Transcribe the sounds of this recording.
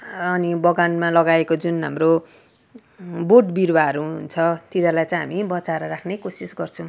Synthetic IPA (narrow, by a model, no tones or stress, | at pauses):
ʌnibʌɡanmalʌɡaekod͡zunɦa̰mro | borʈbiɾwaɦʌɾuɦunt͡sʰʌt̪iɾalajt͡sʌj̃ɦamibʌt͡saɾʌɾakʰnekosisɡʌrt͡sʰʌ̃w̃